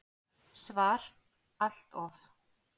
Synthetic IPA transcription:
svaːɾ̥ | al̥t̪ɔf

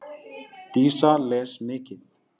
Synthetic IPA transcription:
t̪iːsalɛːsmeːcɪθ

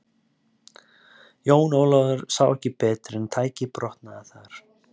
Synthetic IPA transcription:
joːwnoːwlaðʏɾ̥saːwɛhcɪpɛːt̪ɾɛnt̪ʰaːjcɪpɾɔht̪naːθaɾ̥

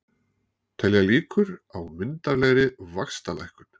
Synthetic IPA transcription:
t̪ʰɛljaliːkʏɾawmɪnt̪aɾlɛɣɾɪvakst̪ala̰jhkʏn̥

